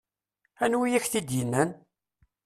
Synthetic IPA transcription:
ænwijæçθid̪jənːæn

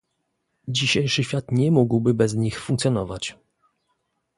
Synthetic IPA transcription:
d͡ʑiɕejʂɘɕfʲjat̪ɲɛmuɡwbɘbɛzɲixfuŋkt̪sʲjɔnɔvat͡ɕ

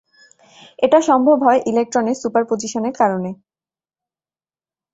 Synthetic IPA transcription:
eʈaʃɔmbʱobʱɦɔeʔilek̚ʈɾonesupaɾpod͡ʑiʃoneɾkaɾone

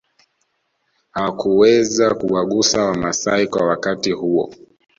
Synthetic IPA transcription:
hakuwɛzakuwaɠusawamasaikwawakatihuɔ̰

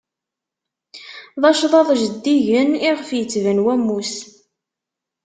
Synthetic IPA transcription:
ðˤɑʃðˤɑðˤʒəd̪ːiʝəniʁəfjət͡sːvənwæmːus

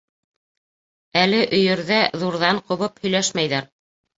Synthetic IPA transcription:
ælɘʔɵ̆jɘ̆ɾðæðuɾðɑɴqŏβɤphɵ̆jlæʃmæjðæɾ

